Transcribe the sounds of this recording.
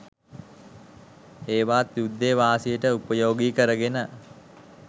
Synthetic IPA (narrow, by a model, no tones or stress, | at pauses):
eːʋaːt̪jud̪ːeːʋaːsijəʈəupəjoːɡiːkəɾəɡenə